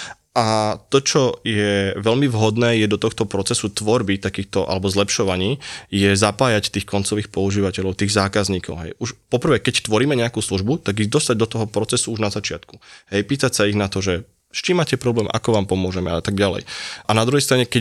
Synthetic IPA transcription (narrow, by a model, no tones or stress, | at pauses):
ʔat̪ɔt͡ʃɔjɛʋɛlmivɦɔd̪nɛːjɛd̪ɔt̪ɔxt̪ɔpɾɔt͡sɛsut̪ʋɔɾbit̪akiːxt̪ɔʔa̰lɛbɔzlɛpʃɔʋaɲiːjɛzapaːjact̪iːxkɔnt͡sɔʋiːxpɔuʒiːʋacɛʎɔʊt̪iːɣzaːkazɲiːkɔʊɦɛ̰juʃpɔpɾ̩ʋɛːkɛct̪ʋɔɾiːmɛɲɛakuːsluʒbut̪aɡiɣd̪ɔst̪aɟ̚d̪ɔt̪ɔɦɔpɾɔt͡sɛsuuʒnazat͡ʃɪat̪kuɦɛjpiːt̪acsaiɣnat̪ɔʒɛ | ʃt͡ʃiːmaːcɛpɾɔblɛːmʔa̰kɔʋaːmpɔmʊɔʒɛmɛ̰aat̪aɡɟalɛ̰jʔanad̪ɾuɦɛjst̪ɾaɲɛkɛc